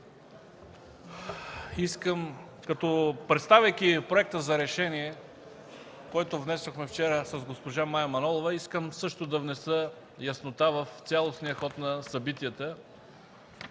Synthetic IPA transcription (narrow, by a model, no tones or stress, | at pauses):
iskəm | kɐt̪ɔpɾɛt̪st̪avʲəjkipɾoɛk̚t̪əzɐɾɛʃɛniɛ | koɛt̪ovnɛsoxmɛft͡ʃɛɾəsɐzɡospoʒamajɐmɐnɔlˠovɐiskəmsɤʃt̪od̪ɐvnɛsə | jɐsnot̪avɐft̪sʲjalˠosnijəxɔt̪nɐsɐbit̪ijət̪ə